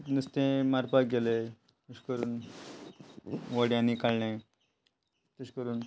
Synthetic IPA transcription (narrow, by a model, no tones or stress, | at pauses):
nəst̪ẽmaɾpaɡele | nuɕkəɾuːn | ʋəɽjãnikalne | t̪əɕkəɾuːn